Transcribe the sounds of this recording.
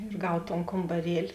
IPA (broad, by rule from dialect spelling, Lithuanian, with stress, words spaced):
ɪr ˈɡɐw toːn koːmbɐˈrʲiɛlʲɪ